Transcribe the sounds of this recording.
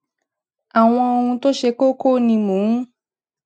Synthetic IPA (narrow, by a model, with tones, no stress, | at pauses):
a˨w̃ɔ̃˧o˧hũ˧to˦ʃe˧ko˦ko˦˨nĩ˧mũ˨˦